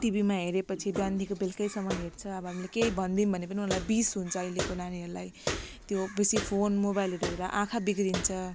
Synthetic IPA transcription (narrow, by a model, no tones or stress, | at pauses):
ʈibimaɦeɾepʌt͡sʰibjand̪ʱikobelkʌjsʌmʌjɦeɾt͡sʰʌʌbʌɦamilekeibʱʌnd̪inbʱʌnepʌniunlajbisɦunt͡sʰʌʌjlekonaniɦʌɾulajt̪jobesipʰonmobajleɾʌeɾaʔãkʰabiɡɾint͡sʰʌ